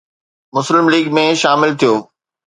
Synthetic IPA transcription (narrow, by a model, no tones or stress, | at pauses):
mʊslɪmliːɡ̚mẽʃaːmɪlt̪ʰijoː